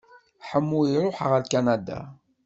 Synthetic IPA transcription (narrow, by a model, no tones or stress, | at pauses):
ħəmːuiɾˤoħʁəlkanad̪a̰